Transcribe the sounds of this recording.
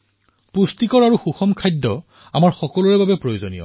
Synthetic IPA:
pustikɔɹaɹuxuxɔmkʰajdːɔ | a̰maɹxɔkɔlɔɹɛbabɛpɹojozonḭjɔ̰

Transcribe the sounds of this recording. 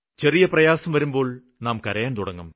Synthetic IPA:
t͡ɕe̞rijɐprɐjaːsɐmʋɐɾumbo̞ːɭ | naːmkɐɾɐjaːnt̪uɽɐŋːum

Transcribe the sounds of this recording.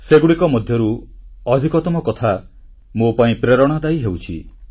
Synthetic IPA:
seɡuɽikɔmɔd̪ʱjɔɾuɔd̪ʱikɔt̪ɔmɔkɔt̪ʰa | mopaĩpɾeɾɔɽ̃ɔd̪aiɦewt͡ʃʰi

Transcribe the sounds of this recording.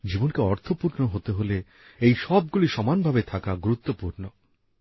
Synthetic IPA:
d͡ʑibonkeɔɾt̪ʰopuɾnoɦot̪eɦole | ejʃɔb̚ɡuliʃɔmanbʱabet̪ʰakaɡuɾut̪ːopuɾno

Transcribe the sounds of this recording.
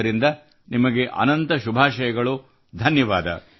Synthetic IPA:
ɐɾind̪ɐ | nimɐɡe̞ʔɐ̰nɐnt̪ɐʃubʱaːʃɐjɐɡɐɭu | d̪ʱɐnjɐʋaːd̪ʱɐ̰

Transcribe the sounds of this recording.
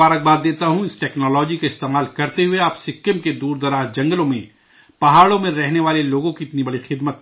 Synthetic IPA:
aːɾək̚baːd̪d̪eːt̪aɦũɪsʈɛːknɔːlɔːd͡ʒikaɪst̪eːmaːlkɐɾt̪eɦʊeaːpsɪkːəmked̪uːɾd̪ɐɾaːzd͡ʒɐ̃ŋɡəlõmḛ̃ | pɐɦaːɭõmẽɾɛɦneʋaːleloːɡõkiɪt̪nibɐɽixɪd̪mət̪

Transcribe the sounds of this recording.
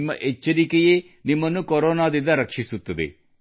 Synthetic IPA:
mːɐ̰ʔet͡ʃːɐɾikeje | nimːɐnːukoɾoːnaːd̪ind̪ɐɾɐkʂisut̪ːɐd̪ḛ

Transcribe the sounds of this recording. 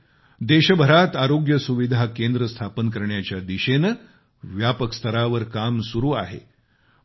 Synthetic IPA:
d̪eɕəbʱəɾat̪aɾoɡjəsuʋid̪ʱakend̪ɾəst̪ʰapənkəɾɳjat͡ɕjad̪iɕen | ʋjapəkst̪ʰəɾaʋəɾkamsuɾuːa̰ɦḛ

